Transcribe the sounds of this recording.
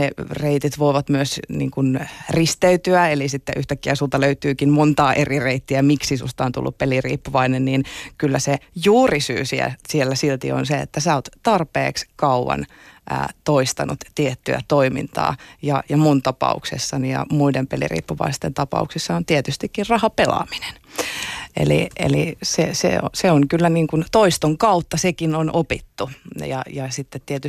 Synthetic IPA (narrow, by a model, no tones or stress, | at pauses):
ereit̪it̪ʋoiʋɑt̪myøsnḭːŋkunrist̪eyt̪yæelisit̪ːḛʔyht̪ækːiæsuːt̪ɑløyt̪yːkimmont̪ɑːʔerireit̪ːiæmiksisust̪ɑont̪ṵlːuppelirḭːpːuʋɑinenniːnkylːæsejuːrisy̰ːsiæ̰sielːæsilt̪ḭo̰nseḛt̪ːæsæːot̪t̪ɑrpḛːkskɑuʋɑ̰n | ʔə̰ːt̪oist̪ɑnut̪t̪iet̪ːyæ̰t̪oimḭnt̪ɑ̰ːjɑjɑmunt̪ɑpɑ̰ṵksḛsːɑnijɑ̰muidempelḭrḭːpːuʋɑ̰ist̪ent̪ɑpɑ̰uksisːɑont̪iet̪yst̪ikːirrɑhɑpelɑ̰mine̥n | ḛlḭʔḛlisesḛo̰seoŋkylːæniŋkunt̪oist̪oŋkɑut̪ːɑsekinonʔopit̪ːujɑjɑsit̪ːet̪t̪iet̪y